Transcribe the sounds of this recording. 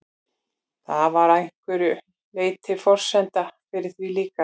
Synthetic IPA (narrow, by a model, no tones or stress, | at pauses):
θavaɾajŋ̥kvʏɾʏ | leːjt̪ʰɪfɔr̥sɛnt̪afɪɾɪ̥θviliːka